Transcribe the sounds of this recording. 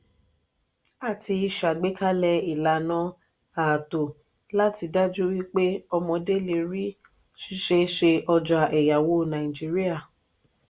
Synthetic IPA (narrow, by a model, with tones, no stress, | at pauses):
a˨ti˧i˧ʃa˨ɡ͡be˦ka˦lɛ˧i˨la˨nã˦ | aː˨to˨ | la˦ti˧da˦d͡ʒu˦wi˦k͡pe˦ɔ˧mɔ̃˧de˦le˧ɾi˦ | ʃi˦ʃe˧ʃe˧ʔɔ˧d͡ʒa˧ʔɛ˨ja˨wo˦˨nã˨i˨d͡ʒi˦ɾi˦a˦˨